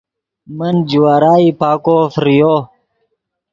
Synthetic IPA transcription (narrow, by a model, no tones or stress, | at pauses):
mɐnd͡ʑuwaːɾaːipaːkofɾijo